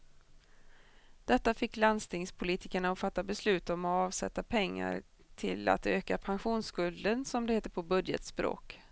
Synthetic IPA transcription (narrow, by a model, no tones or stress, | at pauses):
d̪̥ɛt̪ːafɪkːland̪st̪ɪŋspʰʊliːt̪ɪkəɳaɔfat̪ːabɛslʉ̟ːt̪ɔmɔɑːvsɛ̰t̪ːapʰɛŋːa̰ɾ | t̪ʰɪla̰t̪øːkapʰanɧuːnskɵld̪ənsɔmd̪ɛheːt̪ːəɾpʰɔbɵd̪jə̰t̪spɾo̰ːk